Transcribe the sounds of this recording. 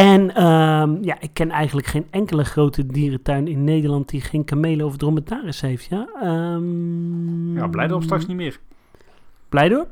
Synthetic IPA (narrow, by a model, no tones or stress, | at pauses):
ɛnəmjaʔɪkːɛnɛjɣəndləkχenɛŋkələχroːtʰədiːrətœɥnɪnːeːdərlɑnt̚dixeːnkameːləɔvdromətaːrəshejftjaəm | jablɛjdəɔpstrɑksnimɪːr | b̥lɛjdoəp